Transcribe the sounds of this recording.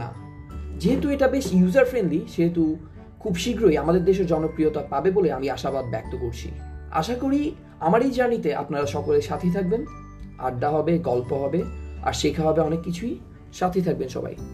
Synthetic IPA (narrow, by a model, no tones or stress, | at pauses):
na̰ | d͡ʑeɦet̪ueʈabeʃjuzaɾfɾenɖliʃeɦet̪u | kʰubʃiɡɾoiamad̪eɾd̪eʃ̬oɾd͡ʑɔnokɾiot̪apabeboleamiaʃabad̪̚bɛ̰k̚t̪okoɾt͡ɕʰḭa̰ʃakoɾi | amaɾijd͡ʑanit̪eʔa̰pnaɾaʃɔkoleʃat̪ʰit̪ʰak̚ben | a̰ɖːaɦɔbeɡɔlpoɦɔbea̰ɾʃekʰaɦɔbeɔnekːit͡ɕʰui | ʃat̪ʰit̪ʰak̚benʃɔ̰ba̰j